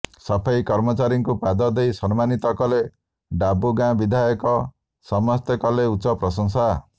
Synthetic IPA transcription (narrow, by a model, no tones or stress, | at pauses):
sɔpʰajkɔɾmɔt͡ʃaɾiŋkupad̪ɔd̪ejsɔnmanit̪ɔkɔle | ɖabuɡãbid̪ʱajɔkɔ | sɔmɔst̪ekɔleutːsɔpɾɔsɔŋsa